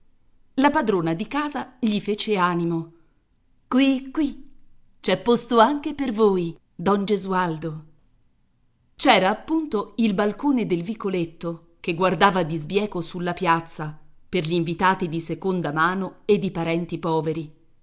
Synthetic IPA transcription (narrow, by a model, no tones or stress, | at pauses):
lapad̪ɾoːnad̪ikaːzaʎifeːt͡ʃeaːnimo | kwikːwi | t͡ʃɛpːost̪oaŋkepervoːj | d̪ɔnd͡ʒezuald̪o | t͡ʃɛːɾaːpːunt̪oilbalkoːned̪elvikolet̪ːo | keɡward̪aːvad̪izbjɛːkosulːapjat̪sːaperʎiːɱvit̪aːt̪id̪isekond̪amaːnoed̪ːipaɾɛnt̪ipɔːveɾi